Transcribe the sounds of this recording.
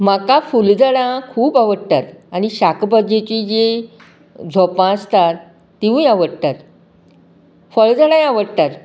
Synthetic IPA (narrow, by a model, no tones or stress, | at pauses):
makafuld͡zəɽãkʰuːpaʋəɽt̪aɾañiɕakbad͡ʑet͡ɕiːd͡ʑe | d͡zʱɔpãəst̪at̪ː | iʋũjaʋəɽt̪aɾ | fəɭd͡zəɽãjaʋəɽt̪aɾ